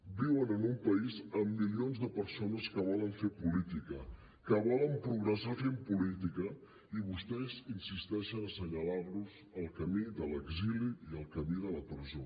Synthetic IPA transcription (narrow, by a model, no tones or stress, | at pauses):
biwənənumpəizəmːilionzðəpəɾsonəskəβɔləɱfepulit̪ikə | kəβɔləmpɾuɣɾəsafempulit̪ikə | iβust̪ɛzinsist̪ɛʃənəsəɲəlaɾluz | əlˠkəmiðələɡziliiəlˠkəmiðələpɾəzo